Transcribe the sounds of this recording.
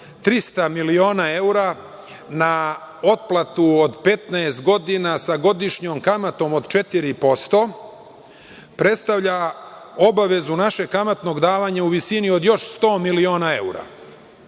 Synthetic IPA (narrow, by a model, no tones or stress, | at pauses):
t̪ɾist̪amilio̞ːnae̞uɾa | na | o̞t̪̚plˠat̪uod̪pe̞t̪naest̪̚ɡo̞d̪inasaɡo̞d̪iʃɲoːmkamat̪o̞mod̪t͡ʃe̞t̪iɾipo̞st̪o̞ | pɾe̞t̪st̪aʋʎao̞baʋe̞zunaʃe̞kamat̪no̞ɡd̪aːʋaɲauʋisinio̞d̪jo̞ʃst̪o̞ːmilio̞ːnae̞uɾa̰